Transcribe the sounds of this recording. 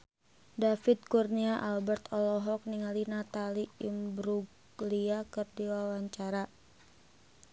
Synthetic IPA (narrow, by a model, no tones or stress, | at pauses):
dafit̪̚kurniaʔalbɛrt̪ʰɔlɔɦɔk̚niŋalinat̪aliimbɾuɡ | liakɨrdiwawaɲt͡ʃaɾa